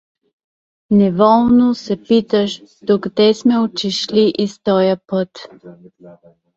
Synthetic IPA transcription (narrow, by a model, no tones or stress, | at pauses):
nɛvɔlˠnosɛpit̪əʃd̪̥oɡd̪ɛsmɛot͡ʃiʃliʔist̪ɔjəpət̪